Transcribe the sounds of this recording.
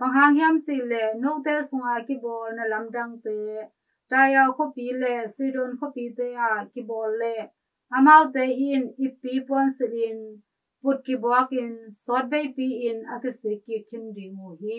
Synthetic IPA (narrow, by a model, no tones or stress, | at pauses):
b̥aŋɦaŋhiamt͡silɛnuk̚t̪ɛːsʊŋakibɔːlnɐlamdaŋt̪ɛː | tajawkʰɔpilɛsidɔnkʰɔpit̪ɛːaʔkibɔːlːɛ | ʔamawt̪ɛːʔinʔipːiːpunsilin | put̚kibɔak̚insɔt̚bejpiːʔinʔakisikːikʰːimdiŋuɦi